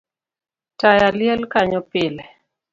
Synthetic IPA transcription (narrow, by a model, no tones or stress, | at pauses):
tajaljɛlkaɲɔpɪlɛ